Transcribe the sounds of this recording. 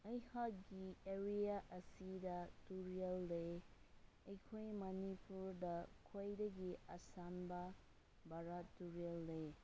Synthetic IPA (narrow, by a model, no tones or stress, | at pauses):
ɐjhɐk̚ɡieɾiaʔəsidatuɾielːe | ɐjkʰojmɐnipuɾdɐkʰojdɐɡiasanba | baɾatːuɾelːe